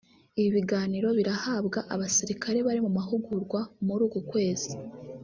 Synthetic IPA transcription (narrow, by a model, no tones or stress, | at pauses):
iβiβiɡaːniɾo̞βiɾahaːbɡaʔaβasiɾikʰaɾe̞βaɾimumaɦuɡuɾɡwamuɾuːɡukwe̞ːz̥i